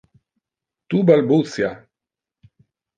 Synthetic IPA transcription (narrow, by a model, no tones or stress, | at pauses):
t̪ubalbusja